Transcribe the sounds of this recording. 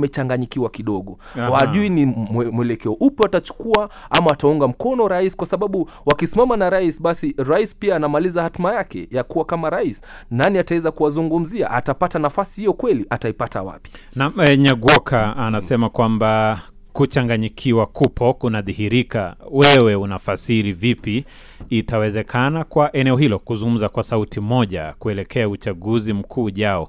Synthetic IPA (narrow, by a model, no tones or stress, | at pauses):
mɛt͡ʃaŋɡaɲikiwakiɗɔɠɔ | waʄuinimmwɛlɛkɛɔʔupjɔatat͡ʃu̥kuaamaatauŋɡam̩kɔnɔɾaisi̥kwasaɓaɓu | wakisimamanaɾaisɓasiɾaisi̥piaːnamalizahatimajakɛ̰jakuwakamaɾaisi̥ | naniatawɛzakuwazuŋɡum̩zia̰ʔatapatanafasihijɔkwɛliʔataipata̰wa̰pi̥ | namɛɲaɡwɔkʰaːnasɛmakwamba | kut͡ʃaŋɡaɲikʰiwakupʰɔkunaðihiɾika̰wɛwɛunafasiɾivipiː | tawɛzɛkʰanakwaʔɛnɛɔɦilɔkuzuŋɡum̩zakwasautimɔʄa̰kuɛlɛkʰɛaut͡ʃaɠuzim̩kʰuːʄaɔ